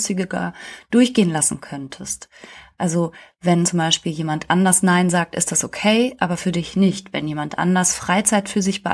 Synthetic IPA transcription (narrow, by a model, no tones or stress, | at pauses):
sɪɡəɡa̰ːd̥ʊɐçɡ̥eːənlasn̩kʰœntʰəstʔalzo | vɛnt͡sʊmbaɪʃpiːljeːmantʔandɐsnaɪnzaːk̚tʔɪ̰std̥asokʰeɪʔaːbɐfyːɐdɪçnɪçtvɛ̰njeːmantʔa̰ndɐsfʁ̥aɪt͡saɪtfyːɐzɪçb̥əʔ